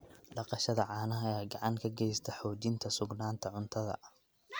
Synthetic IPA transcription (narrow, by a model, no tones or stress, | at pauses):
ɖɑqɑʃɐðɐʕɑːnɐɦɐjaːɡɑʕɑŋkʰɐɡɛjst̪ʰɐħɔːt͡ʃɪnt̪ʰɐsʊɡnaːnt̪ʰɐʕʊnt̪ʰɐðɐ̰